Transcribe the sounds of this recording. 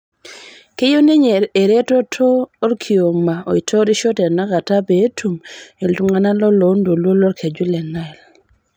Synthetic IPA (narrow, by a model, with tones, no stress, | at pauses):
ke˦jo˦ne˦ɲee˨ɾe˦to˦tʰoː˦ɾkʰi˨o˨ma˨o̰˨i˨tʰo˦ɾi˦ʃɔ˦tɛ˨na˦ka˨ta˦be˨˦tʰu˨me˨ltu˦ŋa˨na˦lɔ˦lo˨˦ndo˨lwo˦lɔ˦ɾkʰe˨d͡ʒu˦lɛ˨na˦ɛ˨l